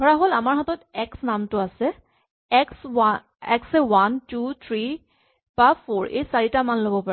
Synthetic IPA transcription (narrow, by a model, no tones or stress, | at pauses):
ɔɹaɦolamaɹɦatɔtɛksnamtʊasɛ | ɛksa | ɛ̰ksɛwantut̪ʰɹi | b̥apʰoɹḛjsaɹitamanlobɔpa